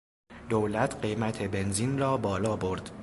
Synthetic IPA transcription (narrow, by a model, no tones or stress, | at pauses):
d̪̥owlæt̪ʰɢe̞jmæt̪ʰe̞be̞nziːnrɒːbɒːlɒːbo̞ɾd̪̥